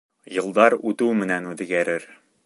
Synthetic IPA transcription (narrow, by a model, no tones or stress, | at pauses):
jɤ̆lˠd̪ɑɾʉt̪ʉwmɘ̆nænʉðɡæɾɘɾ